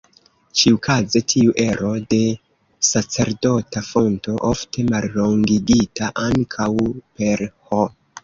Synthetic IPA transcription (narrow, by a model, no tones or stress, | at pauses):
t͡ʃiukʰaze̞tʰiuʔe̞ɾo̞de̞ | sat͡se̞ɾdo̞tafo̞nto̞ʔoftʰe̞malːo̞ŋɡiɡitaʔaŋkʰawpe̞ɾho